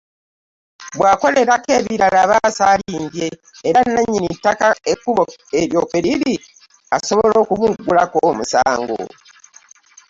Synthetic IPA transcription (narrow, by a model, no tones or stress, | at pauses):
bwaːko̞le̞ɾake̞βiɾalaβasaliːmdje̞ː | ɾanːaɲːinitːakaekːuβoeɾjo̞ːkeliɾi | aso̞βolo̞ːkumuɡulakomusa̰ːŋɡo̰